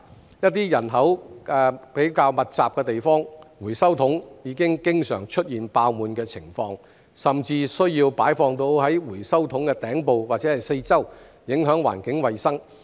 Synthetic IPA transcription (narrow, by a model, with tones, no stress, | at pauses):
jɐ˥t̚t̪iː˥jɐ˨˩nɦɐ˨˥wʔɛː˨pe˨˥jkaː˧wmɐ˨t̚t͡saː˨p̚kɛː˧t̪e˨jfɔː˥ŋwuː˨˩jsɐ˥wt̪ʰʊ˨˥ŋjiː˨˧˥kɪ˥ŋkɪ˥ŋsœː˨˩ŋt͡ʃʰɵ˥t̚jiː˨˩npaː˧wmuː˨nkɛː˧t͡sʰɪ˨˩ŋfɔː˧ŋ | sɐ˨mt͡siː˧sɵ˥ɥjiː˧wpaː˨˥jfɔː˧ŋt̪o˧whɐ˨˥jwuː˨˩jsɐ˥wt̪ʰʊ˨˥ŋkɛ˧t̪ɛː˨˥ŋpo˨˧wwaː˨t̚t͡sɛː˨˥hɐ˨jse˧jt͡sɐ˥w | jɪ˨˥ŋɦœː˨˥ŋwa̰ː˨˩nkɪ˨˥ŋwɐ˨jsɐ˥ŋ